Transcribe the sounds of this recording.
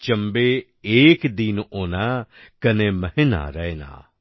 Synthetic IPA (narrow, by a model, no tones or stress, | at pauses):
t͡ʃəmbeː | eːkd̪inoːnaːkəneːməɦɪna̰ɾɛna̰ː